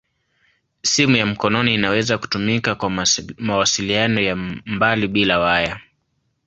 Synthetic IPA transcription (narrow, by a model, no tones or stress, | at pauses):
simujam̩kɔnɔniːnawɛzaku̥tumikakwamawasilianɔjambaliɓilawaja